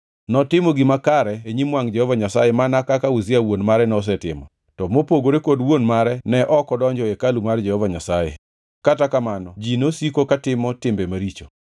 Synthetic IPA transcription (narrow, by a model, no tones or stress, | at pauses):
nɔtɪmɔɡɪmakaɾɛeɲimwaŋd͡ʒɛhɔvaɲasa̰jemanakakauzɪawonmaɾɛnɔs̬ɛtɪmɔ | tɔmopoɡoɾekodwonmaɾɛnɛʔɔkɔdɔɲd͡ʒɔekalumard͡ʒɛhɔvaɲasajḛ | katakamanɔd͡ʒinosikokatɪmɔtɪmbemaɾit͡ʃo